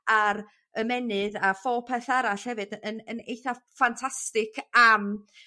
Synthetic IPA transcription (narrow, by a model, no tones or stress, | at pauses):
aɾ | əmɛnɨðafɔpʰɛθaɾaɬhɛvɨdənənejθafantʰastɪkʰam